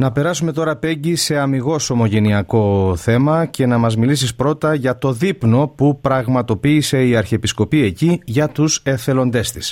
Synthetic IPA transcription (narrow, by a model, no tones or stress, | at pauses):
nɐpe̞ɾɐsume̞t̪o̞ɾɐpe̞ɲɟise̞ɐmiɣo̞so̞mo̞ʝe̞niɐko̞θe̞mɐce̞nɐmɐzmilisispɾo̞t̪ɐʝɐt̪o̞ðipno̞pupɾɐɣmɐt̪o̞piːse̞iɐɾçepisko̞pie̞ciʝɐt̪use̞θe̞lo̞nd̪e̞st̪i̥s